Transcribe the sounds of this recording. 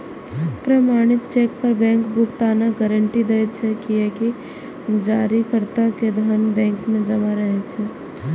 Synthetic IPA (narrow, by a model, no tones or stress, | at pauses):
pɾɐmaːɽ̃ɪt̪t͡ʃeːk̚pəɾbɛ̃ːŋkbʊkt̪aːnaɡəɾəɳʈid̪eet͡ʃʰɛkieki | d͡ʒaːɾikəɾt̪aked̪ʱənbɛ̃ːŋkmẽd͡ʒɐmaɾəɦet͡ʃʰɛː